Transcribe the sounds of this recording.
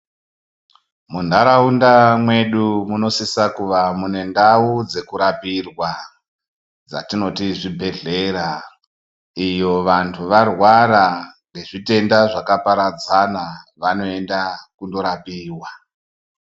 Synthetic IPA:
mundaɾaundamwe̞ɗumuno̞sisakuʋamune̞ndaud͡ze̞kuɾapirwa | d͡za̰tino̞tiʐibʱe̞ɮe̞ɾa | ijo̞ʋantʰuʋarwaɾaŋɡe̞ʐite̞ndaʐakapaɾad͡zanaʋano̞e̞ndakundo̞ɾapiːwa

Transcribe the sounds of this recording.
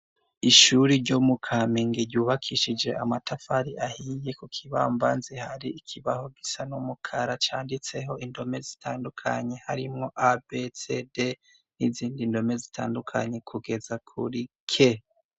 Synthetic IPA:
iʃuɾiɾɟomukʰamiŋɡiɾɟuːβakʰiʃid͡ʒe̞ʔamatafaɾiʔahije̞kukʰiβa̰mbanzehaɾiikʰiβaho̞ɡisanumukʰaɾat͡ʃaːndit͡se̞ɦo̞ʔindo̞me̞zitʰaːndukʰaɲe̞haɾimŋo̞ʔabe̞se̞de | niziːndindo̞me̞zitʰa̰ːndukʰaɲe̞kʰuɡe̞zakʰṵɾikʰe̞

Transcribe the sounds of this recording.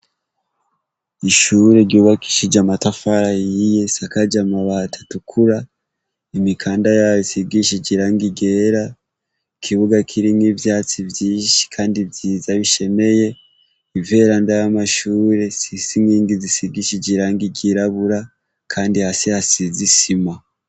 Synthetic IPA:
iʃuɾe̞ɾɟuːβaki̥ʃid͡ʒamatafaɾajije̞sakad͡ʒamaβatʰḁtukʰuɾa | imikʰaːndajaβisiɡiʃid͡ʒiɾaːŋɡiɡe̞ːɾa | ikʰiβuɡakʰiɾinivjaːt͡sivjiːʃi̥kʰaːndivjiːzaβiʃe̞me̞je̞ | ive̞ɾandajamaʃuːɾe̞sisiŋɡiːŋɡizisiɡiʃiɟiɾaːŋɡiɟiɾaβuɾa | kʰaːndihasihasizisima

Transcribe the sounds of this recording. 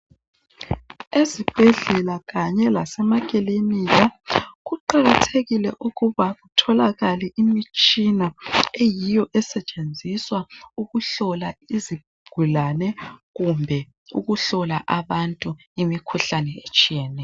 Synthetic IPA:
ezib̥ʱɛɮɛlaɣaɲɛlasɛmakʼilimiɣaɣuǃaɣatʰeɣilɛʔuɣuβaɣutʰɔlaɣaliʔimit͡ʃʼinaejijɔʔɛsɛt͡ʃʼend͡zʱiswauɣuɬɔlaizib̥̚ʱuɡ̥ʱulanɛɣumbʱɛ | ṵɣuɬɔlaʔaβantʼu | imikʰuɬanɛet͡ʃʼijɛːnɛ

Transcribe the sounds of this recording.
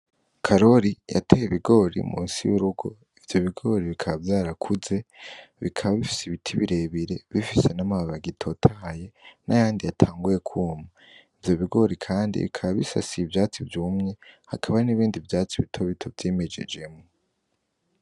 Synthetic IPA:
kʰaɾo̞ɾija̰tʰejeβiɡo̞ɾḭmʔṵːnsḭjuɾuɡo̞ | ivjo̞βiɡo̞ɾiβikʰaβavjaːɾakʰuze̞ | βikʰaβaβifi̥siβitʰiβiɾe̞βiɾe̞βifisenamaβaβaɡitʰo̞tʰahaje̞nʔa̰jaːndijatʰaːŋɡuje̞kʰuːma | ivjo̞βiɡo̞ɾikʰaːndḭβḭkʰaβaβisa̰siːvjaːt͡sivjuːmɲe̞hakʰaβaniβiːndivjaːt͡siβitʰoβitʰo̞vjeːme̞d͡ʒe̞̰d͡ʒe̞mŋo

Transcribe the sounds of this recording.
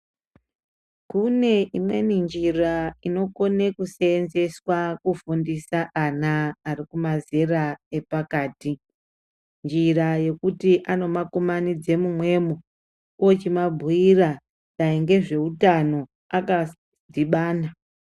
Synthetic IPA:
kune̞ʔimwe̞nind͡ʒiraino̞ko̞ne̞kuseːnze̞swakufundisaʔanaːrikumaze̞rae̞pakaːti | nd͡ʒiraje̞kutiʔano̞makomanid͡ze̞mumwe̞ːmo | ot͡ʃimabʱuira | d͡zaiŋɡe̞ʐe̞utano̞ | aka | dʱiɓaːna

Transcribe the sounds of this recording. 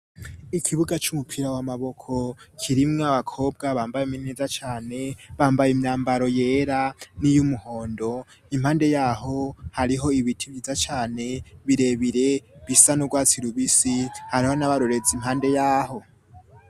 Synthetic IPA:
ikʰiβuɡat͡ʃumupʰiɾawamaβo̞kʰo̞kʰiɾimŋaβakʰo̞ːb̚ɡaβaːmbajemineːzat͡ʃaːne̞βaːmbajimɲaːmbaɾo̞je̞ːɾanijumuho̞ːndo̞ | imhaːnde̞jaːɦo̞haɾiɦo̞iβitʰiβjiːzat͡ʃaːne̞βiɾe̞βiɾe̞βisanuɡwaːt͡siɾuβisihaɾiho̞naβaɾoɾe̞d͡zimhaːnde̞jaːho̞

